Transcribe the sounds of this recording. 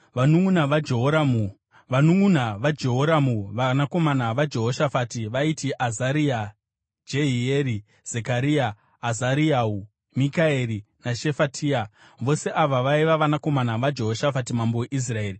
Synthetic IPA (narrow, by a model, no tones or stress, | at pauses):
ʋanuŋunaʋad͡ʒeɦoɾamu | ʋanuŋunaʋad͡ʒeɦoɾamuʋanako̞manaʋad͡ʒe̞ɦo̞ʃafatiʋaitiʔazaɾia | d͡ʒeɦieɾi | z̥ekaɾiaː | zaɾiau | mikaeɾinaʃe̞fatʰiːa | ʋo̞se̞ʔaʋaʋaiʋaʋanako̞manaʋad͡ʒe̞ɦo̞ʃafatimamboweʔis̬rae̞ːri